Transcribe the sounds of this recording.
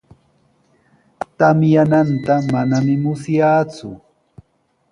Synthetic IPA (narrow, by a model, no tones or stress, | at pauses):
t̪amjanant̪amanamɪmʊsjaːt͡sʊ̰